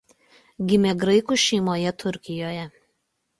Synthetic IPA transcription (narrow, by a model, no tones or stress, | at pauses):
ɡʲɪmʲɛɡɾɐɪkuʃʲɛɪmoːjɛt̪ʰʊɾʲkʲɪjoːjɛ